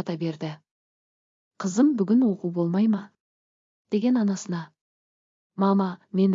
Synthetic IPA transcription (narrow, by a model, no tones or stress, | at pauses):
ɑt̪ɑbe̞ɾd̪ɪ | qʰəzəmbʏɡʲɪnwo̞quwbo̞lˠmɑjmɑ | d̪̥e̞ɡʲe̞nɑnɑsənɑ | mɑmɑme̞n